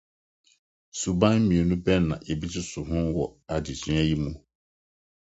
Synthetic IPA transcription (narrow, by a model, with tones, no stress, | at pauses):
su˨bã˦mĩ˨o˨nũ˦bɛ˦˨nã̰˨ʔe˨bi˦tɪ˦sʊ˨hʊ̃˦wɔ˨a˨di˨sĩ˨˦a˦ji˦mũ˦